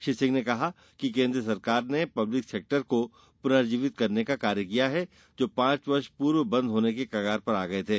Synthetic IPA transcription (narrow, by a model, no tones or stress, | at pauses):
ʃɪsɪ̃ŋɡnekɐɦa | kikẽːnd̪ɾəs̬ɐɾkaːɾnepɐblɪkseːk̚ʈəɾko | pʊnaːɾd͡ʒiːʋɪt̪̚kɐɾnekakaːɾjəkijaɦɛ | d͡ʒoːpãːt͡ʃʋɐɾʃpuːɾʋbɐ̃nd̪ʱɦoːnekekɐɡaːɾpɐɾaːɡɐet̪ʰeː